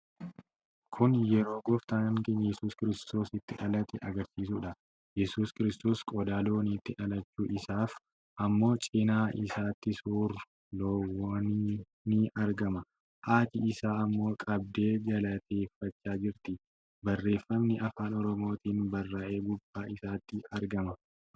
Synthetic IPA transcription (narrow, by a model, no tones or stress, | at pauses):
kʰʊnjɛɾo̞ːɡɔft̪aːŋkɛnjɛsuːskɪɾɪst̪o̞ːsɪt̪ːɪʔɐlɐt̪ɛʔɐɡɐɾsiːs̬uːᶑɐ | jɛsuːskɪɾɪst̪o̞ːskʼɔd̪aːloːniːt̪ːɪʔɐlɐt͡ʃːuːʔɪsaːf | ʔɐmːo̞ːt͡ʃʼɪnaːʔɪ̰saːt̪ːɪsuːrʊ | loːwoːn | nɪɐɾɡɐmɐ | ʔaːt̪ɪɪsaːɐmːo̞ːkʼɐb̚d̪e̞ːɡɐlɐt̪ʰe̞ːfːɐt͡ʃːaːd͡ʒɪɾt̪ɪ | bɐrːe̞ːfːɐmnɪʔɐfaːnɔɾɔmo̞ːt̪iːnbɐrːaːʔe̞ːɡʊbːaːɪsaːt̪ːɪɐɾɡɐmɐ